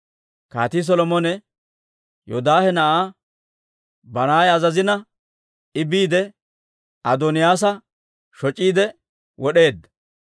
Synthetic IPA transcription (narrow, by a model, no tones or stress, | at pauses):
ka̰ːt̪is̬ɔlɔmɔnɛ | jo̰d̪aːhɛnɐʔaː | bɐnaːjɐzɐzɪnɐ | ɪbiːd̪ɛ | ɐd̪ɔnɪjaːs̬ɐ | ʃɔt͡ʃʼːiːd̪ɛ | wɔɗe̞ːd̪ːɐ̥